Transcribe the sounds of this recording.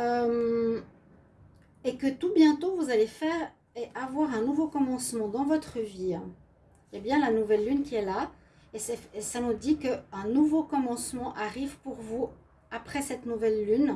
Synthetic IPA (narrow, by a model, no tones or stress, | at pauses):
əm | ekət̪ubjɛ̃t̪ovuzalefɛːʁ | eʔavwaʁɛ̃nuvokɔmɑ̃smɑ̃d̪ɑ̃vɔt̪χəvĩ | jabjɛ̃lanuvɛlːynkʲiɛla | esɛfsanud̪ikəɛ̃nuvokɔmɑ̃smɑ̃ʔaʁivpuʁvu | apχɛsɛt̪nuvɛlːyn